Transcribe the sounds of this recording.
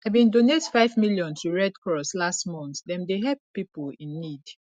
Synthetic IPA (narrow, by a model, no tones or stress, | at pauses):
avbĩndonetfaɪvmiljɔ̃ntʰuɹɛdkɹɔslastmɔ̃nθdɛ̃mdeɦɛp̚pːipulĩnːid